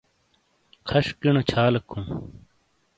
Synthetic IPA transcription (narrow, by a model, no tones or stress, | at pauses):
kʰɐɕkiɳot͡ɕʰaːlɐkʰːũm